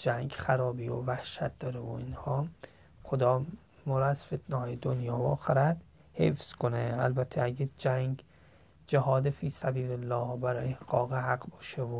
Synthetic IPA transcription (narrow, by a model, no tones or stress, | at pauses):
d͡ʒæŋɡxæɾɒːbiːo̰væhʃæt̪̚d̪ɒːɾevo̰inhɒː | xod̪ɒː | mɒːɾɔæzfet̪ʰnehɒːjed̪onjɒːvɒːxeɾæd̪ | hḛfz̥kʰoneælbæt̪ʰːeæɡed͡ʒæŋɡ | d͡ʒæɦɒːd̪efiːsæbiːɾelːɒːhbæɾɒːjehɡɒːɣehæɡbɒːʃevo